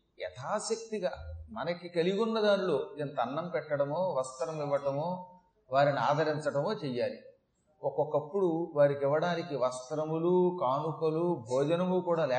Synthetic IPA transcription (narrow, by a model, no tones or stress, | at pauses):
ɛ̰t̪ʰaːsɐk̚t̪iɡaːmɐnɐkikɐliɡunːɐd̪aːnlo̞ːent̪ɐɐnːɐmpɛʈːɐɽɐmo̞ːʋɐst̪ɐɾɐmiʋːɐʈɐmoː | ʋaːɾinia̰ːd̪ʱɐɾiɲt͡ʃɐʈɐmo̞ːt͡ʃɛjːaːli | ɔkɔkɐpːuɽuʋaːɾikiʋːɐɽaːnikiʋɐst̪ɾɐmulukaːnukɐlubʱɔːd͡ʒɐnɐmukuːɽaːlɛː